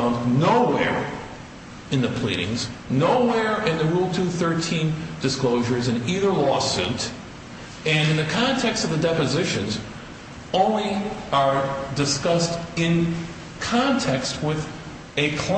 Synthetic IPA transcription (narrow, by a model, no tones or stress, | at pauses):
ʊ̃nnoʊwɛ̰ɹ | ɨ̃nðɨpʰl̥ḭɾɪ̰̃ŋz̥noʊwɛɹɨ̃nðɨɹulˠtʰʉθɜ˞tʰĩnd̥ɨskloʊʒə˞zɨ̃niðə˞lɔsʉ̰ɾ | ɨ̃nɨ̃nðɨkʰɑ̃ntʰɛkstʌvðɨdɛpɨzɪʃɨ̃nz | õʊ̃nliə˞dɨskʌstɪ̃n | kʰɑ̃ntʰɛkst̚wɪð | ɨkʰl̥a